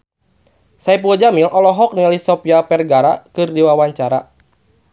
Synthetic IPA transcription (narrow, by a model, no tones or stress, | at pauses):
saipuad͡ʒamilʔɔlɔɦɔk̚nilisɔpiapɛrɡaɾakɨrdiwawaɲt͡ʃaɾa